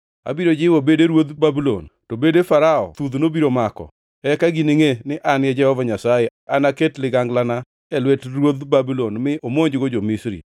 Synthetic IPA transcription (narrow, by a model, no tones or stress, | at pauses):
a̰biɾod͡ʒɪwobedeɾwod̪babilo̰ntobedefaɾaɔ̰t̪ud̪nobiɾomakɔ̰ | ɛkaɡiniŋenɪʔanjɛd͡ʒɛhɔvaɲasajeanaketlɪɡaŋɡlana | ɛlwɛtrwod̪babilonmɪʔomoɲd͡ʒɡod͡ʒomisɾḭ